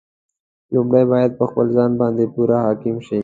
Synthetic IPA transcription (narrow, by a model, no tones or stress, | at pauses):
lʊmɽajbɑjad̪̚pəxpəlzɑnbɑnd̪epuɾahɑːkɪmʃi